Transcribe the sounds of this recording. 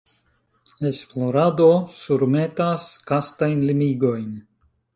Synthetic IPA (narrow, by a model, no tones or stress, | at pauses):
e̞splo̞ɾad̪o̞suɾmet̪askast̪ajnlimiɡo̞jn